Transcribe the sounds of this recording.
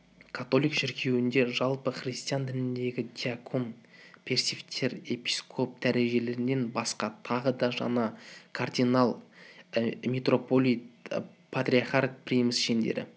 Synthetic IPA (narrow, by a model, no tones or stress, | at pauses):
kʰat̪o̞lˠijkʃɪɾkʲʰe̞wɪnd̪e̞ʒɑlˠpəχrʲist̪ijand̪ɪnɪnd̪e̞ɡʲɪd̪ʲiakʰo̞mpʰʲe̞rsʲift̪ʰe̞ɾe̞pʲi̥skʰo̞p̚d̪̥æɾe̞ʒe̞le̞ɾɪnːe̞nbɑsqɑt̪ʰɑʁəd̪ɑʒɑ̰nɑkʰard̪ʲinɑlˠ | mʲet̪ro̞po̞lʲˠijt̪ | pʰat̪ɾʲiaχart̪̚prijmɪsʃe̞nd̪e̞̰ɾɪ̰